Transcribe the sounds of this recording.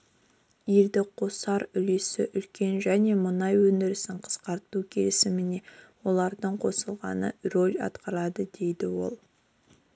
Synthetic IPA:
jeld̪ɪqʰo̞sɑɾʏle̞sɪʔʏlkʲe̞nʒæne̞mʊnɑjwɵnd̪ɪɾɪsɪɴqʰə̥sqɑɾt̪ukʲʰe̞lɪsɪmɪne̞wo̞lˠɑɾd̪əɴqʰo̞səlˠʁɑ̰nə̰ro̞lʲɑ̰t̪qɑɾɑd̪əd̪e̞jd̪ɪwo̞̰lˠ

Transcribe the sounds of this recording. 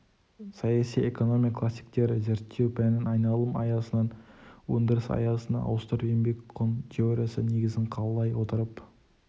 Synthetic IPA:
sɑjɑsijeko̞no̞mijakʰlˠasːi̥jk̚t̪e̞ɾɪze̞ɾt̪ʰːe̞wpʰænɪnɑjnɑlˠəmɑ̰jɑsənɑnwɵnd̪əɾəsɑ̰jɑsənɑ̰ʔɑ̰wst̪əɾbembe̞kʲqʰont̪ʰʲeoɾʲijasəne̞ɡʲɪzɪɴqʰɑlˠəlˠɑjwo̞t̪əɾəp

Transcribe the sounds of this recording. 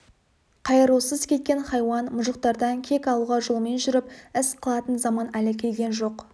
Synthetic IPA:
qʰɑjəɾuwsəzkʲʰe̞t̪̚kʲe̞nχɑjwɑnmʊʒəq̚t̪ɑɾd̪ɑŋkʲʰe̞kʲɑlˠuʁɑʒʊlˠəme̞nʒʏɾɪp̚ɪsqʰəlˠɑt̪ənzɑmɑnælɪkʲʰe̞lɡʲe̞nʒo̞q

